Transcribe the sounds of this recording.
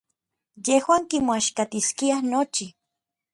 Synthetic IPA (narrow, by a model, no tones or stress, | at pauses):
jehwaːŋkimoaʃkat̪iskiahnot͡ʃi